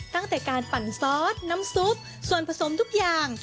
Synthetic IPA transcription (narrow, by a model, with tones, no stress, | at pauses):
t̪a˥˩ŋt̪ɛː˨˩kaː˧npa˨˩nsɔː˦˥t̪̚na˦˥msu˦˥t̪̚ | su˨˩ənpʰa˧so˩˦mt̪ʰu˦˥k̚jaː˨˩ŋ